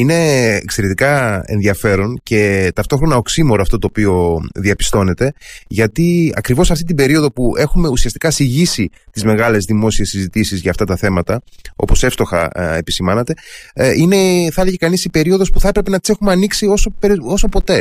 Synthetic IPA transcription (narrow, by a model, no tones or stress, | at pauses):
ine̞ːkse̞ɾet̪ikɐḛnðiɐfe̞ɾo̞nce̞t̪ɐft̪o̞xɾo̞nɐo̞ksimo̞ɾoɐft̪o̞t̪oːpio̞ðiɐpi̥st̪o̞ne̞t̪e̞ʝɐt̪iɐ̰kɾivo̞sɐft̪it̪̬ibe̞ɾio̞ðo̞pue̞xume̞usiɐst̪i̥kɐsiʝisit̪izme̞ɣɐle̞zðimo̞siesizit̪isizʝɐːft̪ɐt̪ɐθe̞mɐt̪ɐo̞̰po̞se̞fst̪o̞xɐ̰epi̥simɐnɐt̪e̞ine̞θeleʝekɐnisipe̞ɾio̞ðo̞spuθɐepɾe̞pe̞nɐt̪ise̞xumeɐniksio̞so̞peɾo̞so̞po̞t̪e̞